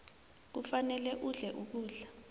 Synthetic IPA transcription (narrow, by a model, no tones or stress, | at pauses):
k̬ufanɛlɛʔuɮɛʔuk̬uːɮa